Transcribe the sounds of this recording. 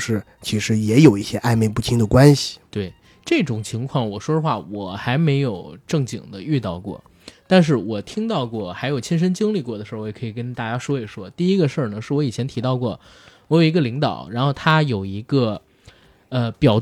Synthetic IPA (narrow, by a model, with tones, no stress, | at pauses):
ʂɻ̩˥˩ | t͡ɕʰi˧˥ʂɻ̩˧˥jɛ˧˥jo˨˩ʊi˥˩ɕjɛ˥ʔa˥˧ɪme˥˧ɪpu˥˩t̪ʰi˧˥ŋd̪ə˨kwa˥nɕi̥˨t̪we˥˩ɪ | ʈ͡ʂɤ˥˩ʈ͡ʂʊ˨˩ŋt͡ɕʰi˧˥ŋkʰwɑ˥˩ŋwɔ˨˩ʂwɔ˥d̪ə˧xwa˥˩wɔ˨˩xa˧˥ɪme˧˥ɪjo˨˩ʊʈ͡ʂɤ˥˩ŋt͡ɕi˨˩ŋd̪ə˦y˥˧t̪ɑ˥˧ʊkwɔ̰˥˩ | t̪a˥˧nʂ̬ɻ̩˥˩wɔ˨˩t̪ʰi˥ŋt̪ɑ˥˧ʊkwɔ˥˩xa˧˥ɪjo˨˩ʊt͡ɕʰɛ˥nʂ̬ə˥nt͡ɕi˥ŋli˥˧k̬wɔ˥˩d̪ə˩ʂɻ̩˧˥˧jɛ˨˩kʰi˨˩kə˥nt̪a˥˩t͡ɕja˥ʂwɔ˥i˨˩ʂwɔ˥t̪i˥˧i˥ɡə˧ʂə˥˩nə˩ʂɻ̩˥˩wɔ˧˥i˨˩t͡ɕʰjɛ˧˥nt̪ʰi˧˥t̪ɑ˥˧ʊkwɔ˥˩ | wɔ˧˥jo˨˩ʊi˧˥ɡə˧li˧˥ŋt̪ɑ˨˩˦ʊɻa˧˥nxo˥˩ʊt̪ʰa˥jo˨˩ʊi˧˥ɡə˧ | ə˧pjɑ˨˩ʊ